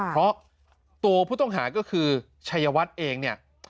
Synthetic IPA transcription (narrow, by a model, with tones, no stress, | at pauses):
pʰɾɔ˦˥ | t̪u˧ɐpʰuː˥˩t̪ɔ˥˩ŋɦaː˩˦kɔː˥˩kʰɯː˧ | t͡ɕʰa˧jːa˧wa˦˥t̪̚ʔeː˧ŋni˥˩ɐ